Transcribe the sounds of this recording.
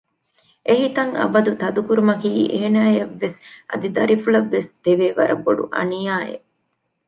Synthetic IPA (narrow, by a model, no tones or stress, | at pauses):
ʔeɦit̪ɐŋɐ̰bɐd̪ut̪ɐd̪ukuɾumɐkiːʔeːnaːjɐʋːesʔɐ̰d̪id̪ɐɾifulɐʋːest̪eʋeːʋɐɾɐ̰bːoɖṵʔɐ̰nijaːḛ